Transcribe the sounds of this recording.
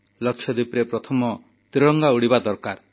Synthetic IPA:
lʌkʰjɔd̪ipɾepɾɔt̪ʰɔmɔ | t̪ɾiɽɔŋɡauɽibad̪ɔɾkaɾ

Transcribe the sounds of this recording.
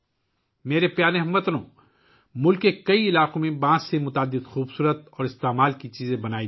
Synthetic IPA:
meːɾepjaːneɦɐmːɐt̪ɾõː | mʊlkːekɐiɪlaːqõmẽbãːsːemʊt̪aːd̪ːɪd̪xuːbsuːɾət̪ɔːɾɪst̪eːmaːlkit͡ʃiːzẽbɐnaːi

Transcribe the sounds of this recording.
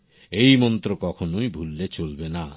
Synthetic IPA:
ejmɔnt̪ɾokɔkʰonojbʱulːet͡ɕolbena

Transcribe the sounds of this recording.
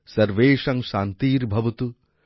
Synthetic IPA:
sɐɾʋeːʂɐŋʃaːnt̪iːɾbʱɐʋut̪u

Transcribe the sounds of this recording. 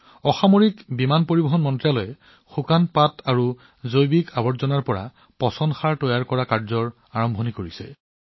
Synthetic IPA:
ɔxamoɹikbimanpoɹibɔɦɔnmɔntɹalɔjɛ | xukanpataɹu | zojbikʰabɔtzɔnaɹpɔɹa̰ | pɔsɔnxaɹtɔjaɹkɔɹakaɹzɔɹ | aɹɔmbʱɔnikoɹisɛ̰

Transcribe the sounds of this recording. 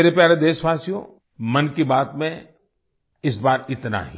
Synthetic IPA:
eːɾepjaːɾed̪eːʃʋaːsijõ̰ | mɐnkibaːt̪mẽ | ɪs̬baːɾɪt̪na̰ɦḭ

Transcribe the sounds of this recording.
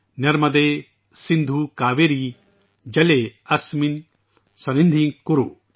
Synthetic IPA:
nɛɾmɐd̪eː | sind̪ʱukaːʋeɾi | d͡ʒɐleɐsmin | sɐnind̪ʱiŋkuɾu

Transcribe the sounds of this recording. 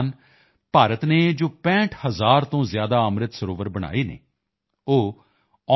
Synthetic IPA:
n | paːɾət̪neːd͡ʒoːpɛ̃ːʈʰhəzaːɾt̪õːzjaːd̪aːəmɾɪt̪səɾoːʋəɾbəɽ̃a̰ːiːnḛː | oː | ɔ

